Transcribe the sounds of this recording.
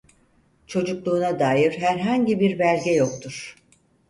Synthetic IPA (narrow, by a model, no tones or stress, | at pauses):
t͡ʃʰo̞d͡ʒuklˠuːnad̪aːjiɾ̥ɦæɾɦaɲɟibiɾbælʲɟɛjo̞kt̪ʰuɾ̥